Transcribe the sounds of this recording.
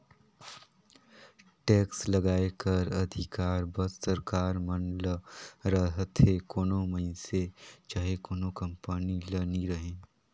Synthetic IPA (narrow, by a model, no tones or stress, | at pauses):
ʈɛːkslɐɡaːekɐɾɐd̪ʱɪkaːɾbɐt̪sɐɾkaːɾmənləɾɐɦt̪ʰekoːnõmɐɪnset͡ʃaːɦekoːnokɐ̃mpəniləniɾɐɦẽː